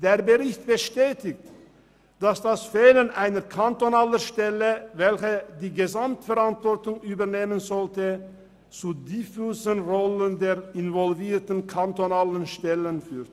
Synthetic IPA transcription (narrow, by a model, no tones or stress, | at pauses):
d̥eːɐbəʁɪçtb̥əʃtɛːtɪkt | d̥asd̥asfeːlənʔaɪnəkʰantonaːləʃtɛləvɛlçədiːɡəzamtfɛʁantv̥ɔʁtʊŋyːbɐneːmənzɔltə | t͡suːdifuːsənʁɔləndeːʁɪnvɔlviːɐtn̩kʰantonaːlənʃtɛlənfyːʁt